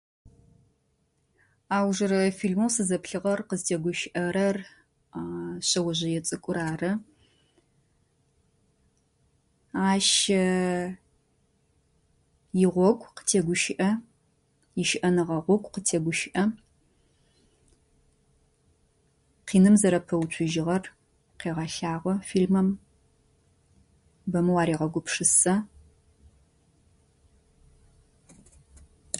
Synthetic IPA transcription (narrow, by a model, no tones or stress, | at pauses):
aːwʒɐɾɐfiːɮmowsɨzɐpɬɨʁɐrqəztʰeːɡʷʊʃɪʔɐɾɐr | ɕɐwɐʑɐjɛt͡sʼɨkʷʼʊɾaːrɐ | aːʃɐ | jɪʁʷɔkʷʼqə̥tʰeːɡʷʊʃɪʔɐ | jɪʃɪʔɐnɨʁɐʁʷɔɡʷqətʰeːɡʷʊʃɪʔɐ | qiːnɨmzɐɾɐpʰɐwt͡ʃʷʰʊʒɪʁɐr | qeːʁɐɬaːʁʷɔfiːlmɐm | bɐmɨwɑːɾiːʁɐɡʷʊpʂɨsɐ